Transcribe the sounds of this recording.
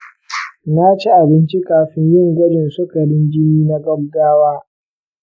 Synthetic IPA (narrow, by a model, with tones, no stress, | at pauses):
na˦t͡ʃi˦ʔa˨bɪ˦nt͡ʃi˦kʼaː˨ɸɪ˦ɲjɪ˦ŋɡʷɔ˦d͡ʒɪ˨nsʊ˦kɐ˨ɽɪ˦nd͡ʒɪ˦niː˦na˦ɡɐ˦bɡaː˦waː˦